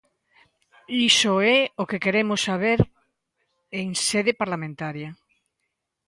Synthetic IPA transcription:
isoɛokekeɾemosːaβ̞eɾ | eŋseðepaɾlamẽnt̪aɾjɐ

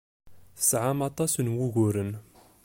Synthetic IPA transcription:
θsʕamɑt̪ˤɑsənwuɣuɾən

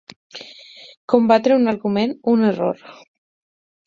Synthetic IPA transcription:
kombat̪ɾeunaɾɣumenunero̰ɾ

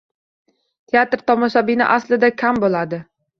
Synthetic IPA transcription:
t̪ʰeat̪ɾt̪ʰɒmɒʃabɪnɪ̰ʔaslɪd̪akʲʰambolad̪ɪ

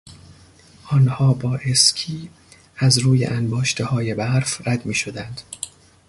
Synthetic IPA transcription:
ʔɒːnhɒːbɒːʔe̞skʰiː | æzɾuːjḛʔænbɒːʃt̪ʰehɒːje̞bæɾfɾæd̪miːʃo̞d̪ænd̪̥

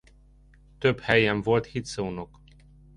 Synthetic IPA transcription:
t̪øphɛjɛɱvo̞lt̪hit̪sounok

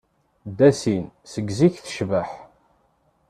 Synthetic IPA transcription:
d̪æsinsəɡziçθə̥ʃvəħ

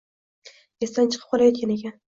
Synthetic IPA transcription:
ɡʲest̪ant͡ʃʰɨ̥qʰɨ̥p̚qʰɒlajekʲʰaneɡʲan

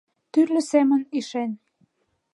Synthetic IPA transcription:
t̪yrlɘ̆seməniʃen

